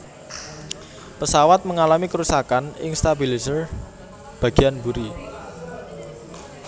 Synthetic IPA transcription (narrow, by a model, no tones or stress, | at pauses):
pəsawat̪̚məŋalamikəɾusakanɪ̰ŋst̪abilisər | b̥ä̤ɡ̥ianbuɾi